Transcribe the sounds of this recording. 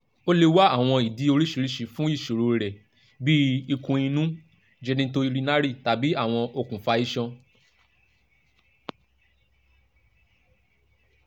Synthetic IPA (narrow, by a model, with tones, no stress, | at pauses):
o˦le˧wa˦a˦˨w̃ɔ̃˧i˨di˨˦o˧ɾi˦ʃi˧˦ɾi˦ʃi˨fũ˨˦i˦˨ʃo˨ɾo˧ɾɛ˨ | bi˦i˧kũ˧i˧nũ˦ | d͡ʒɛ˦nĩ˦to˦i˧ɾi˧˦na˦ɾi˦˨ta˨bi˨˦a˦˨w̃ɔ̃˧o˧kũ˨fa˧i˦ʃɔ̃˧